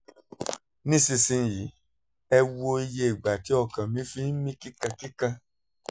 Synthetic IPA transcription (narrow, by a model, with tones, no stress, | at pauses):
nĩ˦sĩ˧sĩ˧n˦ji˨˦ | ɛ˧wo˧i˧je˧i˨ɡ͡ba˨ti˨˦ɔ˧˨kã˨mĩ˨˦fi˦n̩˦mĩ˦ki˦kã˧ki˦kã˧